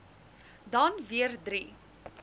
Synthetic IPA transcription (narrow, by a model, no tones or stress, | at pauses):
dɐnviərdɾi